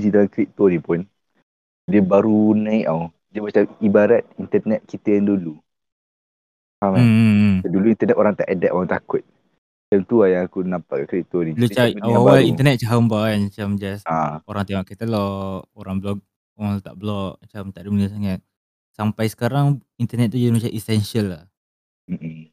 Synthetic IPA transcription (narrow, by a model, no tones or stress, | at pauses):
d͡ʒidalamkɾiʔ̚t̪ɔnĩpʊn | diəbaɾunãiʔaw | dəmat͡ʃamibaɾat̪̚int̪ənɛt̪̚kit̪əjaŋdulu | amaaduluint̪ənɛt̪oɾaŋt̪a̰ʔadaʔoɾaŋt̪a̰kʊt̪̚ | d͡ʒamt̪uajaŋakunapakakuit̪onilut͡ʃaaawalint̪ənɛt̪̚t͡ʃaɦəmbaanat͡ʃamd͡ʒasaoɾaŋt̪amaʔkɛt̪alɔkoɾaŋblɔk̚ | at̪a̰ʔblɔʔmat͡ʃamt̪aʔdimənəs̬aŋat̪̚ | sampajsə̥kaɾaŋ | int̪ənɛt̪̚ːud͡ʒadimat͡ʃaʔisɛnsəlːa | m̩